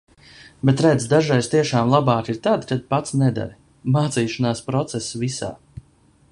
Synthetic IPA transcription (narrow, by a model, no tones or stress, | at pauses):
bet̪ɾɛd̪zd̪aʒajst̪iɛʃaːmlˠabaːkiɾt̪ad̪kad̪̚pat̪snɛd̪a̰ɾ | maːt̪siːʃanaːspɾɔt̪sɛsvisa̰ː